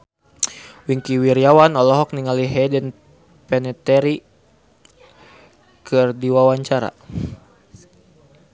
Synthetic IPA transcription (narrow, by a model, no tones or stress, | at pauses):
wiŋkiwiɾiawanɔlɔɦɔk̚niŋaliɦɛdɛn | pɛnɛt̪ɛɾi | kʰɨrdiwawaɲt͡ʃaɾa̰